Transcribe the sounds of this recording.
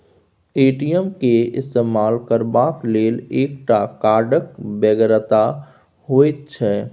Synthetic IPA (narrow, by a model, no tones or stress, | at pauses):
eːʈiəmkeɪst̪eːmaːlkəɾbakleːleːkʈakaːɾɖək̚bɛːɡɾət̪a | ɦoːet̪̚t͡ʃʰɛː